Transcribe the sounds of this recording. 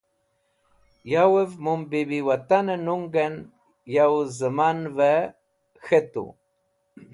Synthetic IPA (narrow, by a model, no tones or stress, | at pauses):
jawəvmumbibiwat̪anənuŋɡan | jawzəmanvɛ | xɛt̪ṵ